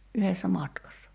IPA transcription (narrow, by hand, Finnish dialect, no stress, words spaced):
yhesːæ mɑtkɑsːɑ